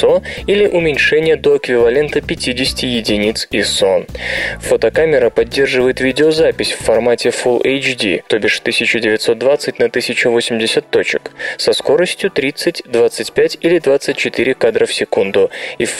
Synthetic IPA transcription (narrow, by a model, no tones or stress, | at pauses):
soilʲɪʔʊmʲɪnʲʂɛnʲɪjəd̪o̞ɪkvʲɪvɐlʲe̞nt̪əpʲɪtʲidʲɪsʲɪ̥tʲɪjɪdʲɪnʲit̪sisonfot̪əkamʲɪɾəpɐdʲːe̞rʐɨvəjɪt̪vʲidʲɪozapʲɪsʲfːɐrmatʲɪfulˠejt͡ɕdʲḭt̪o̞bʲɪʂt̪ɨsʲɪt͡ɕʊdʲɪvʲɪt̪so̞t̪̚d̪vat̪sɨtʲnɐt̪ɨsʲɪt͡ɕʊvo̞sʲɪmʲdʲɪsʲət̪ːo̞t͡ɕɪ̰ksɐsko̞ɾəsʲtʲjʊt̪ɾʲit̪sɨtʲd̪vat̪sɨtʲpʲætʲilʲɪd̪vat̪sɨtʲt͡ɕɪt̪ɨɾʲɪkad̪ɾəfsʲɪkund̪ʊif